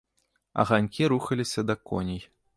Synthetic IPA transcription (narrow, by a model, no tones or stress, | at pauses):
ɐ̰ɣanʲkʲiɾuxɐlʲisʲɐd̪ɐkɔ̰nʲij